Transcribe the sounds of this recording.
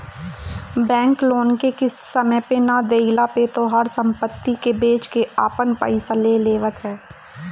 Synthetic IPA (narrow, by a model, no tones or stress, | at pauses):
bɛ̃ːŋkloːnkekɪsːəməpenad̪eɪlapet̪oɦaɾsə̃mpət̪ːikebeːt͡ʃkeaːpənpa̰ːɪsaleːleːʋət̪ɦɛː